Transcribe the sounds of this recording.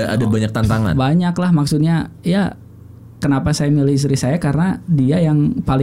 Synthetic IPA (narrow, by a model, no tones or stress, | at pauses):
a̰dabaɲak̚t̪ant̪aŋa̰nbaɲaklahmaksut̪̚ɲaja | kənapasajamilɪhis̬t̪ɾihsajakaɾənadiajaŋpalɪ